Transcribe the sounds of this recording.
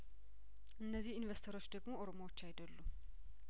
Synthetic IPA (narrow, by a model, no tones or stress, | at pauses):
ʔɨnːəzːihinvest̪ʰəɾo̞t͡ʃːd̪əɡmo̞ʔoɾomowot͡ʃːajd̪əlːu